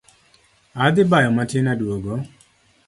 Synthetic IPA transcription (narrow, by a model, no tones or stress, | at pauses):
ad̪ɪbajɔmatɪnadwoɡo